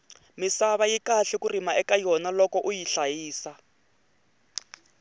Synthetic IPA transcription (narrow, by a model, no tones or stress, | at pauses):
misaβajikaɬɛkurimaʔɛkajɔnalɔkɔʔujiɬajiːsa